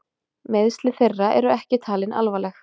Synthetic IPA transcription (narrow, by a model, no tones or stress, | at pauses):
meðst̪lɪθerːaʔɛ̰ɾʏɛhcɪt̪ʰaːlɪnʔa̰lvalɛx